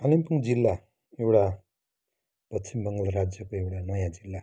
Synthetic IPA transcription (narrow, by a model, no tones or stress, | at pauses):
ʌlimpuŋd͡zilːa | ewʈa | pʌsʰimbʌŋɡʌlɾad͡zjʌkoewʈanʌjãd͡zilːa